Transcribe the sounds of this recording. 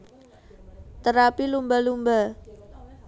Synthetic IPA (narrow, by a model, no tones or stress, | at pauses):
t̪əɾapilumbalumba